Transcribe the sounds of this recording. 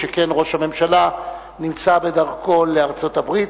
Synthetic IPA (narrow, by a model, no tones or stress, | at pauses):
ekenʁo̞ʃhame̞mʃala | nimt͡sabedaʁko̞leaʁt͡so̞tabʁit